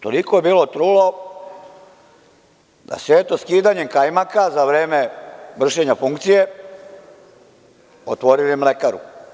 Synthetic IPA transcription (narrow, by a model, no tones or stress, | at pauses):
t̪o̰likoje̞biːlo̞t̪ɾulo̞ | d̪a̰sʋeːt̪oskiːd̪aɲe̞mkajmakazaʋɾe̞ːme̞ʋr̩ʃe̞ɲafuŋkt̪sije̞ | o̰t̪ʋo̞ɾilemle̞kaɾṵ